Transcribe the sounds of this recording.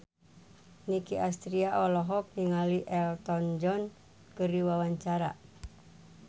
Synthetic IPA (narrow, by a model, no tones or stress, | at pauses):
nikiʔast̪ɾiaʔɔlɔɦɔk̚niŋaliʔɛlt̪ɔnd͡ʒɔn | kɨɾiwawaɲt͡ʃaɾa̰